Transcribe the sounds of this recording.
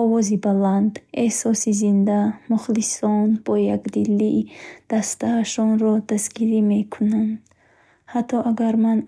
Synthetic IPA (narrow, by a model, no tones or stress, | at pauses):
ɔvɔzibaland̪ehsɔsizind̪amuχlisɔnb̥ɔjaɡd̪ilːiʔd̪̥ast̪aːʃɔnɾɔd̪asɡiɾime̞kʰunand̪ | hat̪ʰːɔʔaɡaɾman